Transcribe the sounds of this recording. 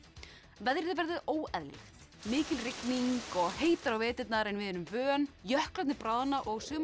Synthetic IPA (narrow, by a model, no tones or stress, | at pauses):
vɛðɾɪðvɛɾðɪðoːwɛðlɪ̰θ | mɪːcɪlrɪkniŋkɔɣheːjt̪aɾawveːt̪ɪt̪naɾɛnvɪðɛnʏmvœːnjœhklat̪nɪpɾaːwðanaʔɔɣsʏːm